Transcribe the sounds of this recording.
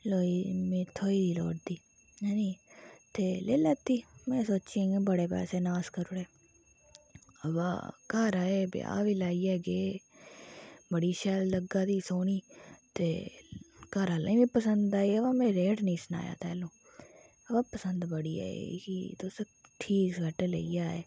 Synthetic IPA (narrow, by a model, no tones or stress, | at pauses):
loːiːmẽːt̪ʰoːiːd̪iːlo̰ːʈd̪iː | niːt̪eːleːlət̪ːiːmɛ̃ːsoːt͡ʃẽːɡẽːbəɽeːpɛ̰ːseːnaːskəɾʊɽeː | əba̰ːkaːɾaːeːbɪ̰a̰ːʋiːlaːiːɛːɡeː | bəɽiːʃɛːlːəɡaːd̪iːsoːniːt̪eː | kəɾaːla̰ĩːbiːpəsənd̪aːiːəbãːmẽːɾeːʈnĩːsna̰ːja̰ːt̪ɛːlõː | əbaːpəsənd̪bəɽiːa̰ːḛɡiːt̪os | ʈʰiːkɡʱəʈːlḛiːjaːeː